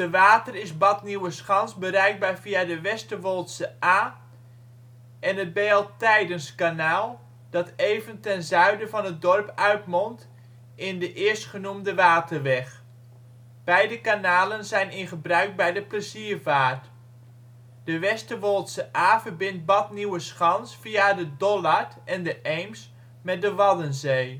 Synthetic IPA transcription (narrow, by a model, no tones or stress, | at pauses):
d̥əʋaːtərɪzbɑtniwəsχɑnzbəɾɛɥɡ̚baːɹviadəʋɛstəʋolˠtsəʔaː | ʔɛnəbeːlˠtɛjdənskanaːlˠ | d̥ɑtejvəntɛnzœɥdəvɑnət̚dɔrpœɥtmɔnt | ʔɪndəʔɪəɹstχənumdəʋaːtʰərʋɛχ | b̥ɛjdəkanaːlənzɛjnɪnχəbrœɥk̚bɛjdəprəziːɹvaːɹt | d̥əʋɛstəʋolˠtsəʔaːvəɹbɪnt̚bɑtniwəsχɑnsfiadədɔlaɹtʔɛndəʔejms | mɛt̚dəʋɑdənzej